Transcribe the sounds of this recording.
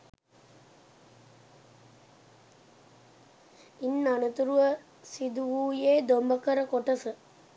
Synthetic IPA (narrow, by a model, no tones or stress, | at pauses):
inːanət̪uɾuʋə | sid̪uʋuːjeːd̪ombəkəɾəkoʈəsə